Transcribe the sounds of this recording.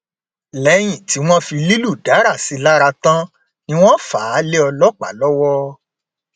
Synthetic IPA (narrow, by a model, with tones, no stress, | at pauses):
lɛ˨˦j̃ĩ˨ti˨˦w̃ɔ̃˦fi˧li˦lu˦˨da˨˦ɾa˦˨si˨˦la˦ɾa˧tã˦ | nĩ˦w̃ɔ̃˦faː˨˦le˦ɔ˧lɔ˦k͡pa̰˨lɔ˦wɔ˦